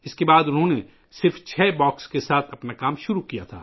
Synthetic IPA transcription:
ɪskebaːd̪ʊnɦõne | sɪɾft͡ʃʰɛːbɔːkskesaːt̪ʰɐpnakaːmʃʊɾukijat̪ʰa̰ː

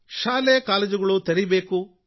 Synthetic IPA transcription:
ʃaːlejɐkaːled͡ʒuɡɐɭut̪ɐɾibeːku

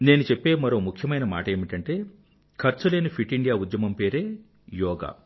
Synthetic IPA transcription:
ne̞ːnut͡ʃepːe̞ːmɐɾo̞ːmukʰjɐmɐjnɐma̰ːʈɐeːmiʈɐɳʈe̞ː | kʰɐɾt͡ʃuleːnipʰiʈːiɳɖijaːud̪jɐmɐmpe̞ːɾe̞ː | jɔːɡa̰ː

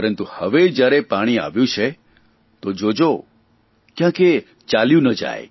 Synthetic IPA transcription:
pəɾənt̪uhəʋed͡ʒjaɾepaɽ̃ia̰ʋjũt͡ʃʰe | t̪od͡ʒod͡ʒo | kjãke | t͡ʃaljũnəd͡ʒa̰j

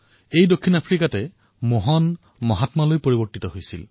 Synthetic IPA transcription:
ejdokʰːinapʰɹikatɛ | moɦɔn | mɔɦatmalojpoɹibɔɹtitɔɦojsil

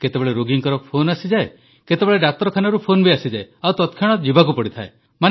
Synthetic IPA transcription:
ket̪ebeɭeɾoɡiŋkɔɾɔpʰonasid͡ʒae | ket̪ebeɭeɖak̚t̪ɔɾɔkʰanɔɾupʰonbiasid͡ʒaeawt̪ɔt̪kʰaɽ̃ɔd͡ʒibak̬upɔɽit̪ʰae | man

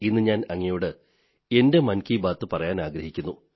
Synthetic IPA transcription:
inːɨɲaːnɐŋːɐjuːɽɨ | e̞nde̞mɐnkiːbaːt̪ːɨpɐrɐjaːnaːɡɾɐhikʲːunːu

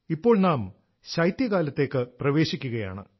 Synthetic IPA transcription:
ipːo̞ːɭnaːm | ɕɐjt̪jɐkaːlɐt̪ːe̞ːkːɨprɐʋe̞ːɕikʲːuɣɐja̰ːɳɨ̰

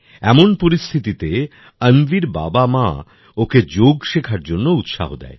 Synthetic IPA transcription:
ɛmonpoɾist̪ʰit̪it̪e | ənviɾba̰bama | oked͡ʑoɡʃekʰaɾd͡ʑonːout̪ʃa̰ɦod̪ɛ̰e

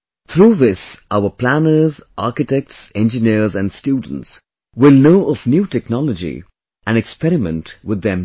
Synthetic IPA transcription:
θʰɾuːðɪsʔaʊəpʰl̥ænə˞zʔɑɹkɪtɛk̚tsɛ̃nd͡ʒɨniɹzæ̃ndstjuːdⁿən̩ts | wɪlˠnoʊʔəvnjuːtʰɛknɑləd͡ʒḭ | ʔæ̃nɛkspɛɾɪmə̰̃ntwɪd̪ɛ̃m

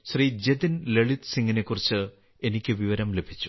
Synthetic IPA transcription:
ɕrid͡ʑed̪inleɭit̪siŋɡine̞kːurit͡ɕːɨ | e̞nikʲːɨʋiʋɐɾɐmle̞bʱit͡ɕːu̥

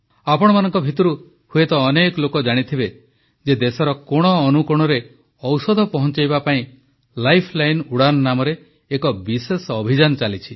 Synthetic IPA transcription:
apɔɽ̃ɔmanɔŋkɔbʱit̪ɔɾu | huet̪ɔːnekɔlokɔd͡ʒaɽ̃it̪ʰibe | d͡ʒed̪esɔɾɔkoɽ̃ɔːnukuɽ̃ɔɾe | ɔwsɔd̪ʱɔpɔɦɔnt͡ʃajbapaĩ | lajpʰlajnuɽanɔnamɔɾeː | kɔbisesɔbʱid͡ʒanɔt͡ʃalit͡ʃʰi

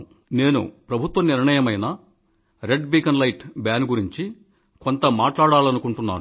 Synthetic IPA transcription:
ne̞ːnṵpɾɐbʱut̪ʋɐniɾɳɐjɐmɐjnɐ | ɾe̞ɖbiːkɐnlɐjʈbjaːnɡuɾiɲt͡ʃi | ko̞nt̪ɐmaːʈlaːɽaːlɐnukuɳʈunːa̰ːɾu

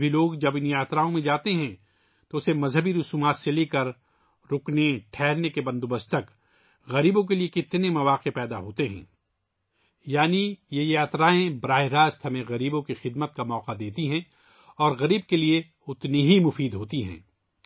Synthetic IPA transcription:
bʱiloːɡd͡ʒɐbɪnjaːt̪ɾaːõmẽd͡ʒaːt̪eɦɛ̃ | t̪oʊsemɐzɦəbiɾʊsuːmaːt̪seleːkɐɾ | ɾʊkneʈʰɛːlnekebɐ̃nd̪ʊbəst̪ɐk | ɣɐɾiːbõk̬eliekɪt̪nemɐʋaːqepɛːd̪aɦoːt̪eɦɛ̰̃ː | jaːnijejaːt̪ɾaːẽbɾaːɦɪɾaːst̪ɦɐmẽɣɐɾiːbõkixɪd̪mət̪̚kamɔːqad̪eːt̪iɦɛ̃ː | ɔːɾɣɐɾiːb̚kelie | ʊt̪niɦimʊfiːd̪ɦoːt̪iɦɛ̰̃ː

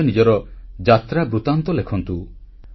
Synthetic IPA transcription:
ɔnid͡ʒɔɾɔd͡ʒat̪ɾabɾut̪ant̪ɔlekʰɔnt̪u

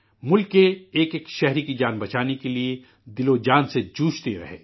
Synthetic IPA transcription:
mʊlkːeeːkekʃɛɦɾikid͡ʒaːnbɐt͡ʃaːnekelie | d̪ɪlod͡ʒaːnsed͡ʒuːʃt̪eɾɐ̰ɦḛː

